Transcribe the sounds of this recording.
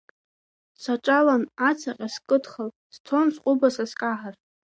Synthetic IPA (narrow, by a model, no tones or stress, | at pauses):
saʈ͡ʂʼalanat͡sʰaqʲʼaskʼɨdχal | z̥tʰonsqʼʊbasaskʼaħar